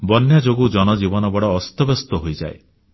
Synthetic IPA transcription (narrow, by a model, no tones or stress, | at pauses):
bɔnjad͡ʒoɡud͡ʒɔnɔd͡ʒibɔnɔbɔɽɔːst̪ɔbɔst̪ɔɦojd͡ʒae